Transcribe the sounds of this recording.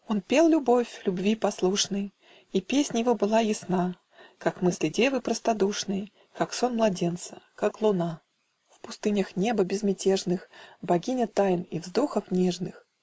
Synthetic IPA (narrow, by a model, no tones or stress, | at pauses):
onpʲelˠlʲʊbo̞fʲlʲʊbvʲipɐslˠuʂnɨj | ipʲesʲnʲəjɪvo̞bɨlˠajɪsna | kakmɨsʲlʲɪdʲe̞vɨpɾəst̪ɐd̪uʂnɨj | kakso̞nmlˠɐdʲe̞nt̪sə̥kaklˠʊna | fpʊst̪ɨnʲəxnʲebəbʲɪzmʲɪtʲeʐnɨxbɐɡʲinʲət̪ajnivzd̪oxəfnʲeʐnɨx